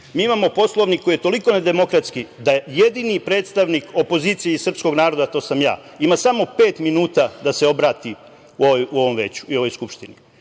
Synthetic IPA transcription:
miːimamo̞po̞slˠo̞ʋnikːoijet̪o̞liko̞ned̪e̞mo̞kɾat̪skid̪ajed̪inipɾe̞ːt̪st̪aʋniko̞po̞ziːt̪sijeisr̩psko̞ɡnaːɾo̞d̪at̪o̞ːsamja̰ː | imasamo̞peːt̪minuːt̪ad̪ase̞o̞bɾaːt̪i | uoʋojuo̞ʋo̞mʋe̞ːt͡ɕu̥io̞ʋo̞jskupʃt̪ini

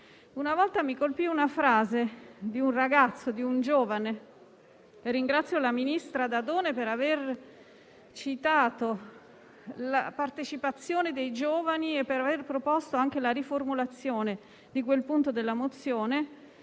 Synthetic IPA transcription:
unavɔlt̪amikolpiunafɾaːzed̪iunraɡat̪sːod̪iund͡ʒoːvane | rːiŋɡɾat̪sːjolaminist̪ɾad̪ad̪oːnepeɾaver | t͡ʃit̪aːt̪o | lapart̪et͡ʃipat̪sːjoːned̪ejd͡ʒoːvaniepːeɾaverpɾopost̪oaŋk̟elaɾiformulat̪sːjoːne | d̪ikwelpunt̪od̪elːamot̪sːjoːne

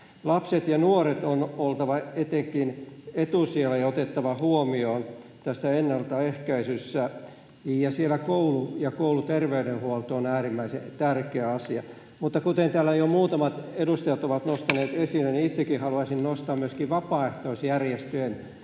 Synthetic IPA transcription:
lɑpset̪jɑnuoret̪onolt̪ɑʋɑet̪eŋkinet̪usielːæjɑot̪et̪ːɑʋɑhuomioːnt̪æsːæenːɑlt̪ɑehkæisysːæ | jɑsielækoulujɑkoulut̪erʋeyɾenhuolt̪oːnæːrimːæisḛt̪ærkeæɑsiɑ | mut̪ːɑkut̪ent̪æːlːæjomuːt̪ɑmɑt̪edust̪ɑjɑt̪oʋɑt̪nost̪ɑneːt̪esilːæniit̪sekːihɑluɑisinnost̪ɑːmmyøskiʋɑpɑːeht̪oisjærjest̪øen

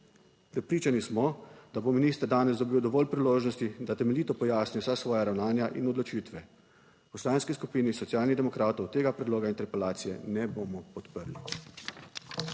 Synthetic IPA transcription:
pɾɛpɾiːt͡ʃanismɔd̪̥abominiːst̪əɾd̪aːnɛzd̪ɔbiːwd̪ɔʋɔlpɾiloːʒnɔst̪id̪at̪ɛmɛliːt̪ɔpɔjaːsnijɔwsasʋɔːjaɾawnaːnjaʔinɔd̪lɔt͡ʃiːt̪ʋɛ | pɔslanskiskupiːnisɔt̪sijaːlnid̪ɛmɔkɾaːt̪ɔwt̪eːɡapɾɛd̪loːɡaint̪ɛɾpɛlaːt̪sijɛnɛboːmɔpɔt̪pəɾli

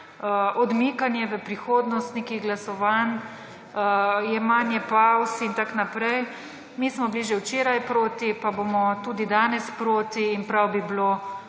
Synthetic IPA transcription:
ɔd̪miːkanjɛʋəpɾixoːd̪nɔst̪nekiɣɡlasɔʋan | jɛmanjɛpawsint̪aknapɾɛj | mismɔbliʒɛwt͡ʃeːɾajpɾoːt̪ipabomɔt̪uːd̪id̪aːnɛspɾoːt̪iːnpɾawbiblo

